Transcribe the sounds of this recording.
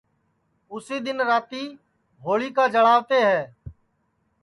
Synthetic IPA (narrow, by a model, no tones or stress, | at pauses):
ʊsiːd̪ɪnɾaːt̪iː | ɦoːɭiːkaːd͡ʒəɽaːʋt̪eːɦɛː